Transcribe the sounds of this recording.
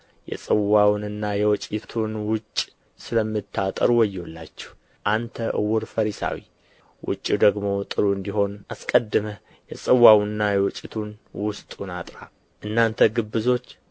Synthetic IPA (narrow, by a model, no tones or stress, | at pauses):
jɛ̰sʼɨwawnɨnːajɛwɔt͡ʃʼɪt̪ʰunwʊt͡ʃʼː | sɨləmːɨt̪ʰːat̪ʼə̰ɾwɔjːolːa̰t͡ʃːɛ̥h | ʔant̪ʰəʔɨ̰wʊɾfəɾisa̰wḭ | wʔʊ̰t͡ʃʼːid̪əɡmo̞t̪ʼɨɾuɨnd̪iɦo̞naskʼəd̪ːɨmə | jɛsʼɨwːawnɨnːajɛwɔt͡ʃʼːɪt̪ʰunwʊst̪ʼunat̪ʼɾa | ʔɨnːant̪ʰəɡɨbːɨzo̞t͡ʃː